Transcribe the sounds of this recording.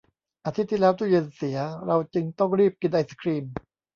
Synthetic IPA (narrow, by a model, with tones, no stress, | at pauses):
ʔaː˧t̪ʰi˦˥t̪ʰːiː˥˩lɛː˦˥wt̪ʰuː˥˩jɯ˧nsi˩˦ɐɾa˧wt͡ɕɯ˧ŋt̪ɔ˥˩ŋɾiː˥˩p̚ki˧nʔa˧sḁ˧kʰɾiː˧m